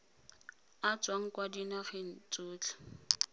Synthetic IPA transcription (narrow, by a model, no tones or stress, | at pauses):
at͡swaŋ̩kwadinaχen̩t͡sʼuːt͡ɬḁ